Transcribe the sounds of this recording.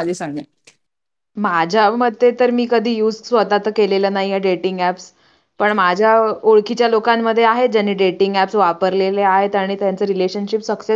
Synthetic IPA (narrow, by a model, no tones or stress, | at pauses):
ad͡ʑʱesaŋɡe | mad͡ʑʱaməd̪ʱːjet̪əɾmiːkəd̪ʱiːjuːd͡zsʋəd̪at̪əkeleləːnaɦijaɖeʈiŋɡæps | pəɳmad͡ʑʱjaoɭkit͡ɕjalokamːəd̪ʱːjeaɦed͡ʑanːiːɖeʈiŋɡæpsʋapəɾleleaɦet̪aɽ̃iːt̪jant͡səːɾileɕənɕipsəkse